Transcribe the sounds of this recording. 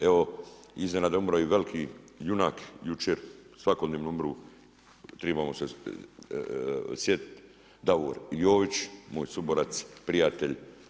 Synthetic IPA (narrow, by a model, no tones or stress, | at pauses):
eʋoiznenad̪umɾaiɡalkʰijunakjut͡ʃeɾsʋakod̪neʋnuumɾu | t̪ɾebamose | sjet̪̚ | d̪aʋo̰ːɾjoːʋit͡ʃmoːjsuboɾat̪spɾijat̪eʎʲ